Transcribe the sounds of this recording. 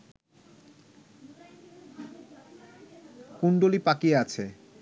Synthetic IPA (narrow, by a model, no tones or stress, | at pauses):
kuɳɖolipakieat͡ɕʰe